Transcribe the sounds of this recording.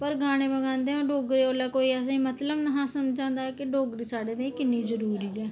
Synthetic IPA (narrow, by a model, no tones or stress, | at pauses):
pəɾɡaːɽ̃eːbəɡãːnd̪eːõːɖoːɡɾiːoːlaːkoːiːɛːsãĩːmət̪ləbnəɦãːsəmd͡ʒãːnd̪aːkɪɖoːɡɾiːsaːɖeːd̪ẽːkɪnːĩːzəɾuːɾiːɛː